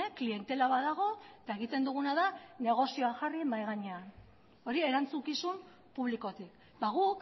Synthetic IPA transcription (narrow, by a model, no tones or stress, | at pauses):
klie̞nt̪e̞laβaðaɣ̞o̞et̪aeɣ̞it̪e̞nd̪uɣ̞unaðane̞ɣ̞o̞sio̞axarimajɣaɲe̞an | o̞ɾie̞ɾant͡sukisum | puβliko̞t̪ik | baɣ̞uk